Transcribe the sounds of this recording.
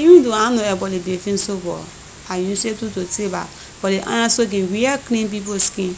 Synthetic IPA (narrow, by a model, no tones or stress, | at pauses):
ijũdoanoebɔlibefin̩sobɔ̰ | ajin̩setutoteba̰ | b̥ɔleʔa̰ɲasoɡiɡiakɾĩmp̬iposkim